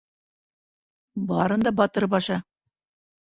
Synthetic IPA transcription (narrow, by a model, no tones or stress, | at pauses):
bɑɾɤ̆nd̪ɑbɑt̪ɤɾbɑʃɑ